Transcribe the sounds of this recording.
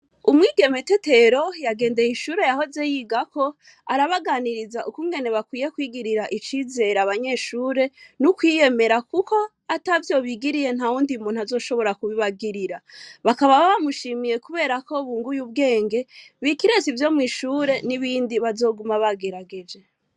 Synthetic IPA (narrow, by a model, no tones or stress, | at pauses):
umŋiːɡe̞me̞tete̞ɾo̞jaɡe̞ːnde̞jiʃuːɾe̞jaho̞ze̞jiːɡakʰo̞ | aɾaβaɡaːniɾizaʔukuŋɡe̞ne̞βakwiːje̞kwiːɡiɾiɾaʔit͡ʃiːze̞ɾaβaɲe̞ʃuːɾe̞nukwije̞me̞ɾakuko̞ | atavjo̞βiɡiɾije̞nhauːndiumuːn̥uazo̞ːʃo̞βo̞ɾakuβiβaɡiɾiɾaβakaβaβamuʃiːmije̞kuβe̞ːɾako̞βuːŋɡujuβ̚ɡe̞ːŋɡe̞βikiɾe̞zivjo̞ːmwŋiːʃuːɾe̞niβiːndiβazo̞ːɡumaβaɡe̞ɾaɡe̞d͡ʒe̞